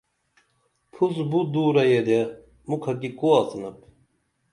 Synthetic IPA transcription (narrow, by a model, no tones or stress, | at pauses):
pʰusbud̪uːɾɐjed̪e | mukʰɐkikuasnɐp